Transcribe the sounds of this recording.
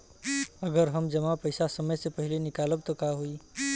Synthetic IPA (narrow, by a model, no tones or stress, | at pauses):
əɡəɾɦəmd͡ʒəmapəjsasəməjsepəɦɪlenikaləb̚t̪ɔkaɦui